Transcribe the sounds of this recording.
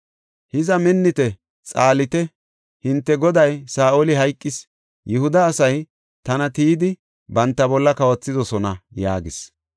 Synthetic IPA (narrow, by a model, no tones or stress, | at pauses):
hɪzɐmɛnːɪt̪ɛ | t͡sʼaːlɪt̪ɛ | hɪnt̪ːɛɡɔd̪ɐjsaːʔolɪɦɐjkʼːɪs | jɛhʊd̪ɐːsɐj | t̪ɐnɐt̪iːd̪ɪ | bɐnt̪ːɐbɔlːɐkɐwɐt͡sːɪd̪ɔsɔnɐjaːɡɪs